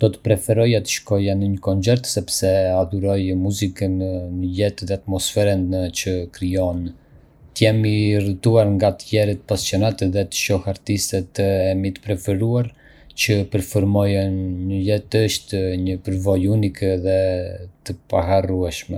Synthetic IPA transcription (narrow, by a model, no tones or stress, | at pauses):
d̪̥ɔt̪ə̥pɾɛfɛɾɔjat̪ə̥ʃkɔjanəɲəkɔnt͡sɛɾt̪sɛpsɛad̪uɾɔjmuzikənnəʎɛt̪ðɛat̪mɔsfɛɾənt͡ʃəkɾijɔn | t̪əjɛmirət̪uaɾŋɡat̪əjɛɾit̪əpasjɔnat̪ɛðɛt̪ə̥ʃɔhaɾt̪ist̪ɛt̪əɛmit̪ə̥pɾɛfɛɾuaɾ | t͡ʃəpəɾfɔɾmɔjənɲəjɛt̪əʃt̪ɲəpəɾvɔjunikðɛt̪əpaɦaruɛʃmɛ